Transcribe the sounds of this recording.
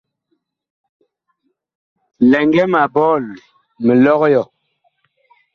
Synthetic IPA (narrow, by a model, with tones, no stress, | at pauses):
lɛ˨ŋɡɛ˦ma˨bɔ˦˨l | mə˨lɔ˦ɣjɔ˨